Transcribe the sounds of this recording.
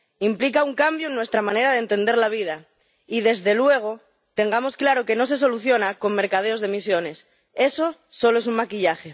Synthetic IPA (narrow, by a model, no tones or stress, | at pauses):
implikauŋkambjonːwe̞st̪ɾamãne̞ɾaðent̪e̞nd̪elaβ̞ið̞a | iðe̞zðe̞lwe̞ɣ̞o̞ | t̪e̞ŋɡamo̞sklaɾoke̞no̞s̬e̞s̬o̞luθjo̞nako̞ŋme̞ɾkað̞eo̞zðe̞misjo̞ne̞s | e̞so̞so̞loesuŋmakiʎaxe̞